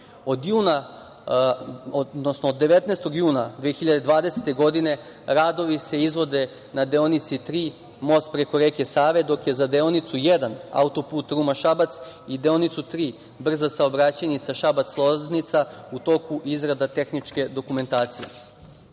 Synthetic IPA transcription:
od̪juːna | nosnoːd̪ːeʋet̪nest̪o̞ɡjuːnad̪ʋexiʎad̪e̞d̪ʋaːd̪e̞se̥t̪e̞ɡo̞d̪ine̞ | ɾaːd̪o̞ʋise̞izʋo̞d̪e̞ | nad̪eonit̪sit̪ɾiː | mo̞st̪̚pɾe̞koɾeːke̞saːʋed̪o̞kje̞zad̪eonit̪sujed̪ana̰ut̪o̞puːt̪ɾuːmaʃabat̪sid̪eonit̪sut̪ɾiː | br̩zasaobɾat͡ɕanit̪saʃabat̪slˠoznit̪saut̪o̞kuʔizɾad̪at̪e̞xnit͡ʃke̞d̪o̞kume̞nt̪aːt̪sije̞̰

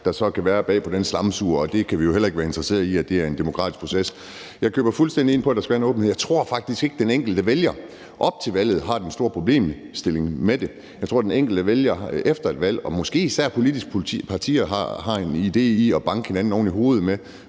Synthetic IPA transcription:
d̥ɑ̈sɒ̽kʰæʋæːɐb̥ɛ̰ːpʰɒ̽d̥enslɑ̈msuːɐɒ̽d̥e̝kʰæʋijo̝helɐeɡ̥ʋæːɐend̥ʁɐse̝̰ːɐðˠiæd̥e̝æɐe̝nd̥e̝mo̝kʰʁɑ̰̈ːdisɡ̥̚pʰʁo̝ses | jɑ̈ɪkʰø̰ːb̥ɐfulsd̥en̰d̥ie̝n̰pʰɒ̽æd̥ɑ̈sɡ̥æʋæɐenɔ̽ːb̥n̩eðˠjɑ̈ɪt͡sʰʁo̝ɐ̰fɑ̈ɡ̥̚d̥isɡ̥e̝ɡ̥əd̥eneŋ̰ɡ̥l̩d̥əʋeljɐ | ʔɒ̽b̥̚t͡sʰe̝lʋæl̰ð̞̩ˠɦɑ̈d̥ensd̥o̝ɐ̰pʰʁo̝ble̝̰ːm | sd̥e̝le̝ŋmed̥e̝ | jɑɪt͡sʰʁo̝ɐ̰deneŋ̰ɡ̥l̩d̥əʋeljɐefd̥ɐe̝d̥ʋæl̰ɒ̽mɒ̽sɡ̥e̝̰ːisæɐ̰pʰo̝lid̥isɡ̥ʰpʰɑ̈t͡sʰḭːɐɑɦɑ̈e̝nide̝̰ːiɒb̥ɑ̈ŋɡ̥əhe̝næn̩ɒʊniɦo̝ːð̞̩ˠme

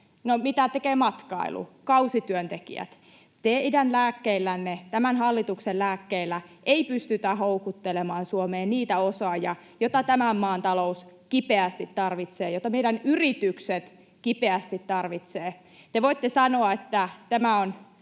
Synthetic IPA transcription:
nomit̪æt̪ekeːmɑt̪kɑ̰ḭlṵkɑusit̪yønt̪ekḭæ̰t̪ | t̪eidænlæːkːeilːænːet̪æmænhɑlːit̪uksellæːkːeilːæʔeipyst̪yt̪æhoukut̪ːelemɑːnsuomeːnniːt̪æosɑːjɑ | jot̪ɑt̪æmæmːɑːnt̪ɑlouskipeæst̪it̪t̪ɑrʋit̪seːjot̪ːɑmeidænyrit̪ykset̪ | kipeæst̪it̪t̪ɑrʋit̪seː | t̪eʋoit̪ːesɑnoɑet̪ːæt̪æmæon

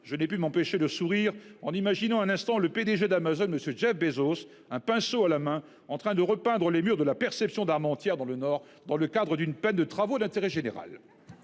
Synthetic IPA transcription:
ʒ̥ənɛpymɑ̃peʃed̪əsuʁiʁɑ̃nimaʒinɑ̃ɛ̃nɛ̃st̪ɑ̃ləped̪eʒed̪amazonməsjøʒɛfbezos | ɛ̃pɛ̃soalamɛ̃ | ɑ̃t̪χɛ̃d̪əʁəpɛ̃d̪ʁəlemyʁd̪əlapɛʁsɛpsjɔ̃d̪aʁmɑ̃t̪jɛʁd̪ɑ̃lənɔːʁ | d̪ɑ̃ləkad̪ʁəd̪ynpɛnd̪ət̪χavod̪ɛ̃t̪eʁɛʒeneʁa̰l

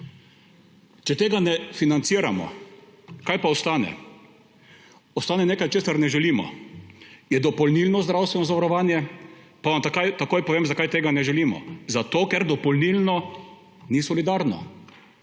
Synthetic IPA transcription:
t͡ʃɛt̪eːɡanɛfinant̪siːɾamɔ̰ | kajpaɔst̪aːnɛ̰ | ɔst̪aːnɛneːkajt͡ʃeːsaɾnɛʒɛliːmɔ̰ | jɛd̪ɔpɔlnilnɔzd̪ɾawst̪ʋɛnɔzaʋaɾɔʋaːnjɛpaʋamt̪akajt̪akoːjpɔʋeːmzakajt̪eːɡanɛʒɛlimɔ̰zat̪oːkɛɾd̪ɔpɔlnilnɔ | nisɔlid̪aɾnɔ̰

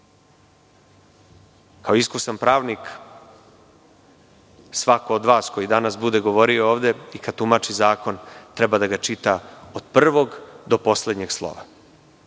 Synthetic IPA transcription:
kaoiskusanpɾaːʋnik | sʋako̞ːd̪ʋaːsko̞jid̪anasbud̪e̞ɡo̞ʋo̞ɾio̞oːʋd̪e̞ikad̪̚t̪umat͡ʃizaːko̞nt̪ɾebad̪aɡat͡ʃit̪aod̪̥pr̩ʋo̞ɡd̪o̞po̞sled̪ɲe̞ɡslˠo̞̰ʋa̰

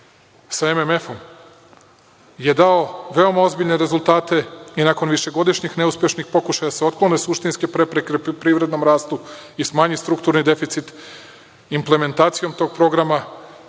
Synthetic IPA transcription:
sae̞meme̞fo̞m | je̞d̪ao̞ʋe̞o̞mao̞zbiʎneɾe̞zulˠt̪aːt̪e̞inako̞nʋiʃe̞ɡo̞d̪iʃɲixne̞uspʲjeʃnixpo̞kuʃajad̪aseo̞t̪̚klˠonesuʃt̪inskepɾepɾekepɾiːʋɾe̞d̪no̞mɾaːst̪u | ismaːɲist̪ɾukt̪uɾnid̪e̞fit̪sit̪ | imple̞me̞nt̪aːt̪sijo̞mt̪o̞ːɡ̚pɾo̞ɡɾama

